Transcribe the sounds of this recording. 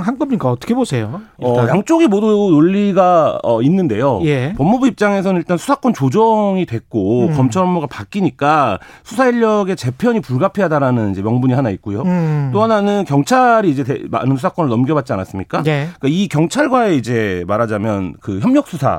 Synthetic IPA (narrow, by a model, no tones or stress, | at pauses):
ŋɦank͈ʌmɲik͈aʌt͈ʰʌ̥kʰebosʰe̞jo | ʌjaŋt͡ɕ͈oɡimodunoʎːiɡaʌ̰inːɯnde̞jojepʌmːubuip̚t͡ɕ͈aŋe̞sʰʌnɯniɭt͈ansʰu̥sʰak͈wʌnt͡ɕod͡ʑʌŋidwe̞k̚k͈okʌmt͡ɕʰʌɾʌmoɡapak͈iɲik͈a | sʰusʰaiʎːʌɡe̞t͡ɕe̞pʰjʌɲipuɭɡapʰeadaɾanɯnid͡ʑe̞mjʌŋbuɲiɦanaik̚k͈ujot͈oɦananɯnkjʌŋt͡ɕʰaɾiːd͡ʑe̞tema̰nɯnsʰusʰak͈ʌnɯɭnʌmɡjʌβat̚t͡ɕ͈ianas͈ɯmɲik͈aek͈aikjʌŋt͡ɕʰaɭɡwae̞id͡ʑe̞maɾad͡ʑamjʌnkɯçjʌmɲʌk̚s͈ʰusʰa̰